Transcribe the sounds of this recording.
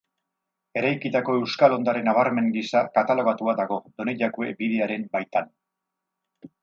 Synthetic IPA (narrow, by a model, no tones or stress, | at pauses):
e̞ɾajkit̪ako̞e̞wskalo̞nd̪aɾe̞naβ̞aɾme̞ŋɡisakat̪alo̞ɣ̞at̪uaðaɣo̞d̪o̞ne̞ʎakue̞biðe̞aɾe̞mbajt̪an